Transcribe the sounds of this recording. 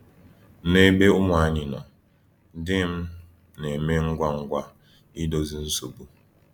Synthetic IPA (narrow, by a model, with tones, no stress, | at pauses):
ne˦be˦ʊ˦m˦˨a˨a˦ɲɪ˨na˨ | dɪ˦m̩˦ | ne˨me˦ŋ̩˦ɡʷa˦ŋ̩˦ɡʷa˦ | i˦do˦zi˦n̩˦su˨bu˦